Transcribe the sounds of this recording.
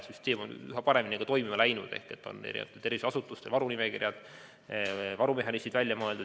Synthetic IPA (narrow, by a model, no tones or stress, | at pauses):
syst̪e̞ːmo̞nyɦɑpɑɾe̞minʲiɡ̥ɑt̪o̞jmimɑlæjnud̪̥e̞̰hkˑe̞t̪ːˑo̞̰nḛɾḭnḛɑt̪et̪e̞rvise̥ɑsut̪ːˑust̪elvɑɾunimekirjɑd̪̥ | vɑɾume̞ɦɑnisid̪vælʲjɑmɤeld̪u